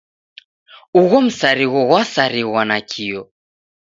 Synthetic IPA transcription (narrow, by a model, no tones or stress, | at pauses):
uɣɔm̩saɾiɣɔɣwasaɾiɣwanakʰiɔ